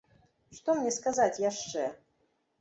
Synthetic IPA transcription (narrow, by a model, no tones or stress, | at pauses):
ʂt̪ɔmnʲɛskazat͡sʲjaʂt͡ʂɛ